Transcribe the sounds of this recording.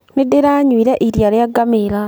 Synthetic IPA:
nideɾaɲwiɾeʔiɾjaljaɡameɾa

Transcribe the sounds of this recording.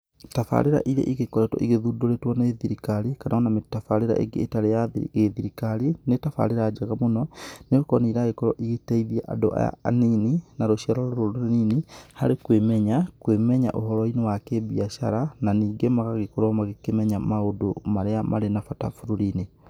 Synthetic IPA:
tafa̰ɾeɾa̰ʔiɾḛʔiɣekɔɾɛtɔ̰ʔiɣeðudoɾetwɔneðiɾikaɾikanʔaɔnametafaɾeɾa̰ʔḛɡḛːtaɾejaɣeðiɾikaɾinetafa̰ɾeɾaːd͡ʒaɣamonɔneokɔneiɾaɣekɔɾɔʔiɣetaiðiaʔa̰do̰ʔa̰ja̰a̰nininaɾoʃiaɾɔɾoɾoɾoninihaɾekwemɛɲakwemɛɲaʔoɦɔɾɔinewakebiaʃa̰ɾananiːɡemaɣaɣekoɾɔmaɣekemɛɲamaodomaɾeamʔaɾenafata̰fuɾoɾine

